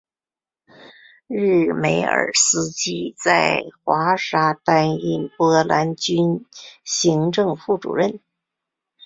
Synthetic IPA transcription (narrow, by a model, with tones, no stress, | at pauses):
ɻ̩˥˩me˧˥ɪə̰˞˨˩sɹ̩˥t͡ɕi˥t͡sa˥˩ɪxwa˧˥ʂa˥t̪a˥ni˥˩npɔ˥la˧˥nt͡ɕy˥nɕi˧˥ŋʈ͡ʂɤ˥˧ŋfu˥˩ʈ͡ʂṵ˨˩ɻə˥˩n